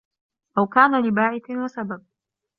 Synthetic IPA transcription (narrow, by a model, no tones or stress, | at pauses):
ʔawkaːnalɪbaːʕɪθwasabab̚